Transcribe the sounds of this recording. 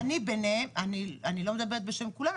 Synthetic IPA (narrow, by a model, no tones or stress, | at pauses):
nibeneemanianilo̞med̪abeet̪̚beʃemkulam